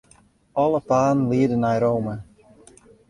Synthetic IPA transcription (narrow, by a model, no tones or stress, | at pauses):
ʔɔlˠəpaːnliːədənajɾowmə